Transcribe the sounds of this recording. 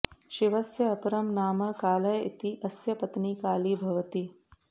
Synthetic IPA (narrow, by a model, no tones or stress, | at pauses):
ʃiʋɐsjɐːpɐɾɐmnaːmɐkaːlɐjit̪iʔɐsjɐpɐt̪nikaːlibʱɐʋɐt̪i